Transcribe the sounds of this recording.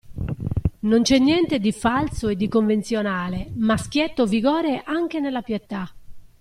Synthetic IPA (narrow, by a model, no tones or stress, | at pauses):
nont͡ʃɛnːjɛnt̪ed̪ifalsoed̪ːikoɱvent̪sjonaːlemask̟jɛt̪ːoviɣɔːɾeʔaŋk̟enelːapjet̪ːa